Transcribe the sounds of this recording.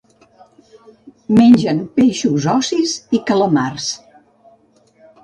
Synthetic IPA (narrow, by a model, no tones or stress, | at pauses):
menʲd͡ʒənpeʃuzɔsizikələmars